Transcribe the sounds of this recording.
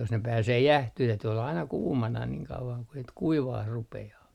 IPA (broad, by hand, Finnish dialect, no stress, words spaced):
jos ne pæːseː jæhtyh tæyty olːɑ ɑinɑ kuːmɑnɑ niŋ kɑuʋɑŋ ku sit kuiʋɑːh rupeɑː